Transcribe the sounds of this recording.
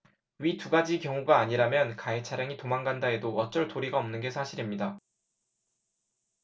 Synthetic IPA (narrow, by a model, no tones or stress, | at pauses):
ɥituɡad͡ʑikjʌŋuɡaːɲiɾamjʌnkaet͡ɕʰaɾjaŋitomaŋɡandae̞dowʌt͡ɕ͈ʌɭtoɾiɡaʌmnɯnɡe̞sʰaɕʰiɾimɲida